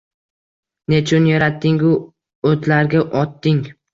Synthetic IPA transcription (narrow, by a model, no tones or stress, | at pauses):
net͡ʃʰʊnjaɾat̪ːɪŋʊ | ot̪laɾɡʲaʔɒt̪ːɪŋ